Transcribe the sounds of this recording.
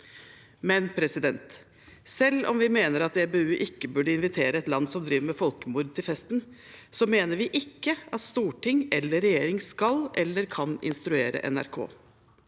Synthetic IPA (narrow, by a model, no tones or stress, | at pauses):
mɛnpʰɾɛsɪd̪ɛnt̪ | sɛlːʔɔ̰mʋɪmeːnəɾɑt̪ɛbeʉːʔɪkːəbʉɖəɪnʋɪt̪ʰeːɾəɛt̪lɑnːsɔmd̪ɾiːʋəmɛfɔlkəmuɾd̪̚t̪ʰɪlfɛst̪n | sɔmeːnəɾʋɪʔɪkːəɑt̪st̪uːʈʰɪŋɛlːəɾɛjeːɾɪŋskɑlʔɛlːəɾkʰɑnɪ̰nst̪ɾʉeːɾə̰ʔɛ̰næ̰ɾkʰo̰ː